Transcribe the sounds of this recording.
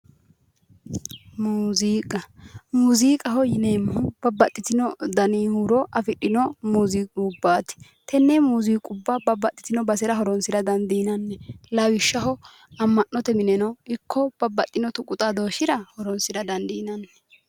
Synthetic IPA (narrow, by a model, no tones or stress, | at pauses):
muːziːkʼɐmuziːkʼɐɦɔjɪneːmːɐb̥ɐbːɐt̪ʼːɪt̪ɪnɔd̪ɐnihuɾɔʔɐfɪɗɪnɔmuːziːkʼubːaːt̪ɪ̥ | t̪ɛnːɛmuːziːkʼʊbːɐbɐbɐt̪ʼːɪ̥t̪ɪnɔbɐsɛɾɐɦɔɾɔnsɪɾɐd̪ɐnd̪iːnɐnːɛlɐwɪʃːɐɦɔ | ɐmːɐnːɔt̪ɛmɪnɛnɔɪkʰːɔb̥ɐbɐt̪ʼːɪnɔt̪ʊkʼʊt̪ʼad̪oːʃɪɾɐhɔɾɔnsɪɾɐd̪ɐnd̪iːnɐnːɛ